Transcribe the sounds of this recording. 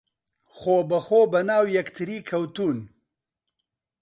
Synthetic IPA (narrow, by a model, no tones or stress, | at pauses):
xobəxobɐnaːwjɐkt̪ʰiɾikʰɐwt̪un